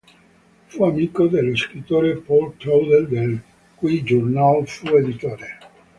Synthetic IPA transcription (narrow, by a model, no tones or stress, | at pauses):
fuamiːkod̪elːeskɾit̪ːoːɾepɔlkɾowd̪eld̪el | kujd͡ʒornalfued̪it̪oːɾe